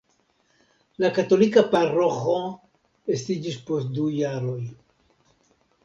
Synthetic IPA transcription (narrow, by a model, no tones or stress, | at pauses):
lakato̞likaparo̞xo̞ | estid͡ʒispo̞st̚d̪ujaɾo̞j